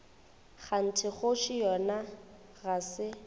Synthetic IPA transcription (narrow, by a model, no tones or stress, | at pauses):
χan̩tʰɪχʊʃɪjɔna | ɣasɪ